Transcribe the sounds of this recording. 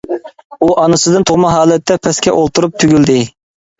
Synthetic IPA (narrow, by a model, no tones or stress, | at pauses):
uʔɑnɨsɨd̪ɨnt̪ʰoʁmɑɦɑːlˠɛt̪ʰːɛpʰɛskʲɛ̰ʔolˠt̪ʰuɾup̚t̪ʰyɡʲyld̪ɪ